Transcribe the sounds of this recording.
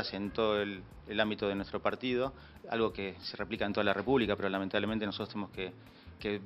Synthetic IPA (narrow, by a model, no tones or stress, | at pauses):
asent̪oðoel | elambit̪o̞ðe̞nwest̪ɾo̞paɾt̪iðo̞ | a̰lɣo̞kese̞replikaent̪oalare̞puβlikape̞ɾo̞lament̪aβlement̪ensot̪ɾt̪enemoske | ke